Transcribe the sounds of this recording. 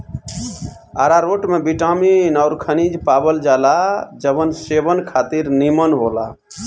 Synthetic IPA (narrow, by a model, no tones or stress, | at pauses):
aɾaɾoʈmebiʈaminaʊɾkʰənid͡ʒpabəld͡ʒalad͡ʒəbənsebənkʰat̪iɾnimənɦola̰